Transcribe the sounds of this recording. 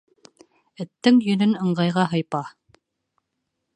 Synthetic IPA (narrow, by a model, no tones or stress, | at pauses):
ɘ̆t̪ːɘŋjɵ̆nɵnɤ̆ɴɢɑjʁɑɦɤ̆jpɑ